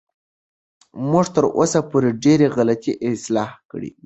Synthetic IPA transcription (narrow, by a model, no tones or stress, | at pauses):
muʐt̪əɾo̰sapoɾeɖeɾeɣalat̪iʔɪslɑhkəɽḭ